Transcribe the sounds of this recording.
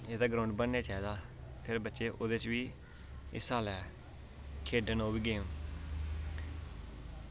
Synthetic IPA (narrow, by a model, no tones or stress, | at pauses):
eːd̪aːɡɾãʊɳɖbənːeːt͡ʃaːiːd̪aː | pʰɪɾbətːʃeːʔoːd̪eːt͡ʃʋiː | ɪ̰saːlɛː | kʰeːɖənoːbiːɡeːm